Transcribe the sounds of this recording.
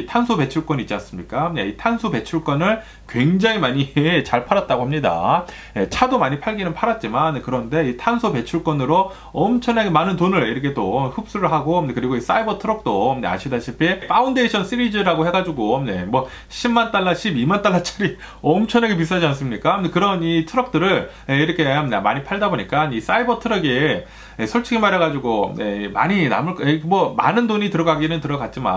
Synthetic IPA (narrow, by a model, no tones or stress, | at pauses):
itʰansʰope̞t͡ɕʰuɭk͈ʌnit͡ɕ͈ans͈ɯmɲik͈anḛitʰansʰope̞t͡ɕʰuɭk͈ʌnɯɭ | kwe̞ŋd͡ʑaŋimaɲit͡ɕaɭpʰaɾat̚t͈aɡoɦamɲida̰ | je̞t͡ɕʰadomaɲipʰaɭɡinɯnpʰaɾat̚t͡ɕ͈imankɯɾʌnde̞itʰansʰope̞t͡ɕʰuɭk͈ʌnɯɾo | ʌmt͡ɕʰʌnaɡemanɯntonɯɭiɾɯkʰetoɸup̚s͈ɯɾɯɭɦaɡoekɯɾiɡois͈aibʌtʰɯɾʌk̚t͈onḛa̰ɕʰidaɕʰipʰip͈aundeɕʰʌns͈iɾid͡ʑiɾaɡoɦe̞ɡad͡ʑuɡoje̞̰mwʌ | ɕʰimmant͈aɭːaɕʰibimant͈aɭːat͡ɕʰɯɾi | ʌmt͡ɕʰʌnaɡe̞pis̬͈ad͡ʑians̬͈ɯmɲik͈aekɯɾʌnitʰɯɾʌk̚t͈ɯɾɯɭ | eiɾʌkʰe̞nemaɲipʰaɭdaboɲik͈anis͈aibʌtʰɯɾʌɡe | esʰoɭt͡ɕʰiɡimaɾɦeɣad͡ʑuɡonḛma̰ɲina̰mɯɭkemwʌma̰nɯndoɲitɯɾʌɡaɡinɯntɯɾʌɡat̚t͡ɕ͈ima̰